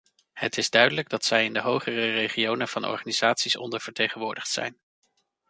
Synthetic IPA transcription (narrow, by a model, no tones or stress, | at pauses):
hətɪzdœɥdələɡ̚dɑtsɛjɪndəɦowχərərejχiownənv̥ɑnɔ̰ɹχaniz̥aːtsisɔ̰ndəɹv̥əɹtejχənʋʊːɹdəχtsɛ̰jn